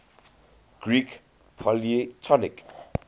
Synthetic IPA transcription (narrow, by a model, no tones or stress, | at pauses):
ɡ̥rik | pʰʌliet͡sʰʌlek